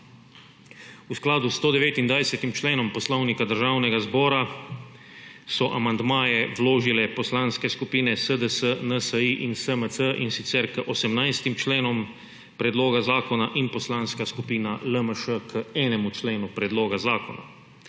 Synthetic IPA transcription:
usklaːd̪ust̪oːd̪ɛʋeːt̪ind̪ʋajsɛt̪imt͡ʃleːnɔmpɔslɔwnikad̪əɾʒaːwnɛɡazbɔːɾa | sɔʔamand̪maːjɛwloːʒilɛpɔslaːnskɛskupiːnɛsəd̪əsənəsəiʔinsəməsəʔinsit̪sɛɾkəʔɔsɛmnajst̪imt͡ʃleːnɔm | pɾɛd̪loːɡazaːkɔnaʔinpɔslaːnskaskupiːnaləməʃəkʰəɛːnɛmut͡ʃleːnupɾɛd̪loːɡazaːkɔna̰

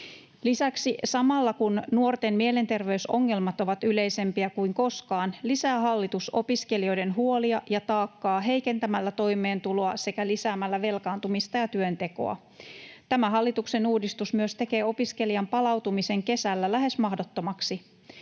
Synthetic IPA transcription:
lisæksisɑmɑlːɑkunnuo̞rt̪enmie̞le̞nt̪e̞rʋe̞yso̞ŋːe̞lmɑt̪o̞ʋɑt̪yle̞jse̞mpiækujŋko̞skɑːnlisæːɦɑlːit̪uso̞̰piske̞lio̞jde̞nɦuo̞liɑjɑt̪ɑːkːɑːɦe̞jke̞nt̪æmælːæt̪o̞jme̞ːnt̪ulo̞ɑse̞kælisæːmælːæʋe̞lkɑːnt̪umist̪ɑjɑt̪yønt̪e̞ko̞̰ɑ̰ | t̪æmæɦɑlːit̪ukse̞nuːdist̪usmyøst̪e̞ke̞ːo̞piske̞lijɑmpɑlɑwt̪umise̞ŋke̞sælːælæɦe̞smɑhdo̞t̪ːo̞mɑksi

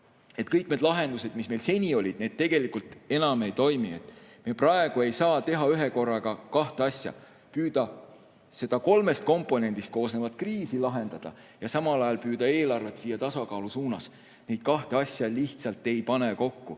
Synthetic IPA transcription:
e̞t̪kɤjk̚ned̪lɑɦe̞nd̪use̞d̪misme̞jlse̞nʲio̞lʲid̪̥̚neːd̪̚t̪eɡ̥e̞likˑult̪ˑenɑme̞jt̪o̞jmie̞̰t̪ːˑmieprɑe̞ɡ̥ue̞jsɑːt̪e̞ɦɑyɦe̞ko̞rːɑɡɑkɑht̪eɑsʲjɑ̰ | pyːd̪̥ɑ | se̞d̪̥ɑko̞lme̞st̪̚ko̞mpːˑo̞ne̞nʲd̪̥ist̪̚ko̞ːsnevɑt̪ˑkriːsilɑɦe̞nd̪̥ɑd̪̥ɑ̰ | jɑsɑmɑlɑjɑlpyːd̪̥ɑe̞ːlɑrvet̪ːviːɑt̪ɑsɑkɑːlusuːnɑs | ne̞jd̪̥̚kɑht̪eɑsʲjɑliht̪sɑlt̪ːe̞jpɑne̞ko̞kːu

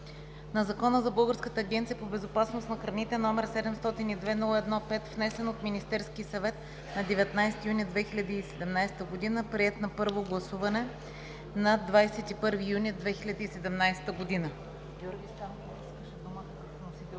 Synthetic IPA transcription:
nɐzɐkɔnəzɐbɤlˠɡəɾskət̪əːɡʲɛnt̪sijəpobɛzopasnost̪nɐxɾɐnit̪ɛnɔmɛɾsɛd̪ɛmst̪ɔt̪inid̪vɛnɔlˠəɛd̪nɔpɛt̪vnɛsɛnot̪minist̪ɛɾskisɐvɛt̪ | nɐd̪ɛvɛt̪najst̪ijunʲid̪vɛxilʲɐd̪iːsɛd̪ɛmnajsɛ̥t̪əɡod̪inəpɾiɛt̪nɐpɤɾvoɡlˠɐsuvɐnɛ | nɐd̪vajsɛt̪ipɤɾvijunid̪vɛxilʲɐd̪iisɛd̪ɛmnajsɛ̥t̪əɡod̪inə | ɡʲjɔɾɡʲist̪anpopiskəʃɛd̪uməkɐk̪ɔnosit̪ɛ

